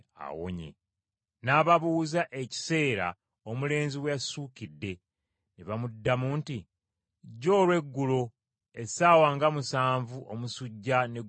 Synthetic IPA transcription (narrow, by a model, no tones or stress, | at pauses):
a̰wo̰ɲḛ | naːβaβuuzaʔe̞ci̥se̞ːɾa̰ | omule̞ːnziwejasuːkidːe̞ | neβamudːamuːnti | ɟːo̞ːlwe̞ɡːulo̞ | esaːwaːŋɡamusaːɱvuʔo̞̰musuɟːane